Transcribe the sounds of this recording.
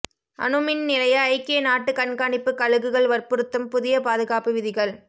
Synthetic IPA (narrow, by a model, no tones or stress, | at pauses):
ʔɐ̰nɯmɪnnɪlɐjɐːɪkːeːnaːʈːɯkɐɳkaːɳɪpːɯkɐɻɯɣɯɣɐɭʋɐrpɯɾɯt̪ːɯmpʊðɪjɐpaːðɯɣaːpɯʋɪðɪɣɐɭ